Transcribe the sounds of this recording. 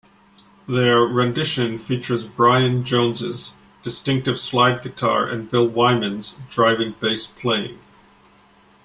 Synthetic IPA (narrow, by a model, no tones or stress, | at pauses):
ðə˞ɹɨ̃ndɪʃɨ̃nfit͡ʃə˞zbɹaɪɨ̃nd͡ʒõʊ̃nzɪ̰z | d̥ɨstɪ̃ŋk̚tɨv̥slaɪd̚ɡɨtʰɑ̰ɹʔɨ̰̃nbɪlˠwãɪ̃mɨ̃nz̥dɹaɪvɪ̃ŋbeɪspʰl̥eɪɪ̰̃ŋ